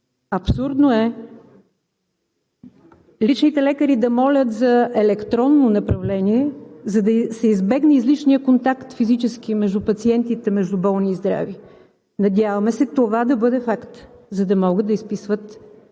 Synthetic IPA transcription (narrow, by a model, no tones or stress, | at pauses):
ɐpsuɾd̪noɛ | lit͡ʃnit̪ɛlɛkəɾid̪ɐmɔlʲət̪zɐɛlɛkt̪ɾɔnːonɐpɾɐvlɛniɛzɐd̪ɐsɛizbɛɡnɛizlit͡ʃnijəkont̪akt̪fizit͡ʃɛsk̟imɛʒd̪upɐt̪siɛnt̪it̪ɛmɛʒd̪ubɔlˠniːzd̪ɾa̰vi | nɐd̪ʲjavɐmɛsɛt̪ovad̪ɐbɤd̪ɛfakt̪zɐd̪ɐmɔɡəd̪ɐispisvət̪